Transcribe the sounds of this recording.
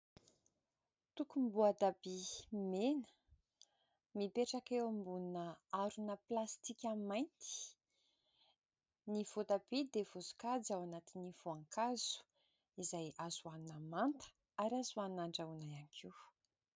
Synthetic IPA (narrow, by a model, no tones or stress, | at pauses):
t̪ukumbuad̪abimenə̥ | mipeʈ͡ʂakewambunnəaɾunəplast̪ikʲamajnt̪i̥ | nivot̪abed̪evozu̥kad͡zawanat̪iniv̥oaŋkaz̥u̥ | izajazuanunəmant̪ə̥ | aɾiazuannaɳɖ͡ʐaunajaŋikʰiw